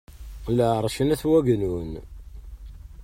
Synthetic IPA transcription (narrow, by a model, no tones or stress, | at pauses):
ləʕɾˤʃənæθwæɡnun